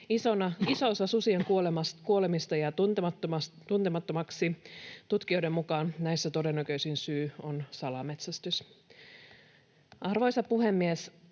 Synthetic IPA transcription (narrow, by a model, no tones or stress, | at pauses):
iso̞nɑisoosɑsusieŋkuo̞lemɑskuolemist̪ɑjɑt̪nt̪emɑt̪ːomɑst̪unt̪emɑt̪ːomɑksit̪ut̪k̟io̞jde̞mmukɑːnnæjsːæt̪o̞de̞nːækø̞isinsyːonsɑlɑmet̪sæst̪ys | ʔɑrʋo̞jsɑpuɦe̞mːies